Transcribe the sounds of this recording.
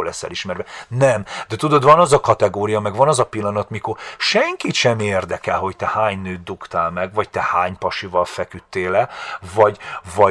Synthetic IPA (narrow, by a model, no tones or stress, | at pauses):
oːlɛ̰sːɛ̰liʃmɛrvɛnɛmd̪ɛt̪ud̪o̞d̪vɒnɒzɒkɒt̪ɛɡoːɾijɒmɛɡʋɒnɒzɒpilːɒnɒt̪mikorʃɛŋkit̪ʃɛmeːrd̪ɛkɛlɦo̞ct̪ɛhaːɲnøːd̪ukt̪aːlmɛɡvɒct̪ɛhaːɲpɒʃivɒlfɛkyt̪ːeːlɛvɒɟvɒ